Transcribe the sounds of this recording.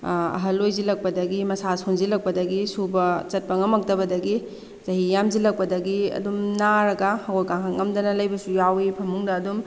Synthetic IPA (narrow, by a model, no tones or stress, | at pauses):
ɐ̰ɦɐlːojzilɐk̚pɐdɐɡimɐsasonzilɐk̚pɐdɐɡisubɐt͡ʃɐt̚pɐŋɐmɐk̚dɐbɐdɐɡi | zɐɦijamzilɐk̚pɐdɐɡiɐ̰dumnaɾɐɡɐhɐɡojkaŋʰɐŋɐmdɐnɐlɐjbɐsujawipʰɐmuŋdɐːdum